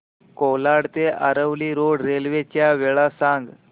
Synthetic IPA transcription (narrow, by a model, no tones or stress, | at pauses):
kolaɽt̪eʔaɾəʋliːɾoɽɾelʋet͡ɕjaʋeɭasãŋɡ